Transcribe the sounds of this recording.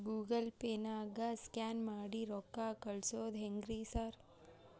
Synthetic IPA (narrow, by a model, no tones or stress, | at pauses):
ɡuːɡəlpeːnaːɡaskaːnmaːɽiɾɔːkːaːkɐɭsoːd̪ɦeŋɡɾiːsaɾ